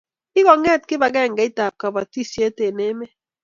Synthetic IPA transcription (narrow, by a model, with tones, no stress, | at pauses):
i˦kɔ˨ŋɛ˦˨t̚ki˦ba˨ɡɛ˦˨ŋ̩˨ɡa˨˦i˦ta˨p̚ka˨ba˨ti˦˨sje˦te˨ne˨˦me˦